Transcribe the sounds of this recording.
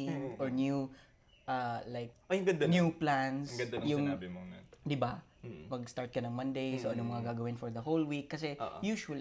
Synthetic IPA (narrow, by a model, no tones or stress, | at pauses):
ɪŋʔoɹnju | ʔalajk̚jɡɐnd̪njuplansɡɐd̪jʊŋbɪmonad̪ɪba | pɐɡ̚st̪aɹt̪̚kɐnɐŋmɐnd̪ejsoʔɐnomɐŋɐɡaːɡɐwɪnfɔɹd̪ɐɦolwikːɐsɛʔoʔjuːʃwɐl